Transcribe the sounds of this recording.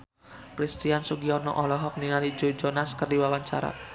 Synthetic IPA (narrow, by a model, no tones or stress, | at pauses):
kɾist̪iansuɡiɔnɔ̰ʔɔlɔɦɔk̚niŋalid͡ʒod͡ʒɔnaskərdiwawaɲt͡ʃa̰ɾa̰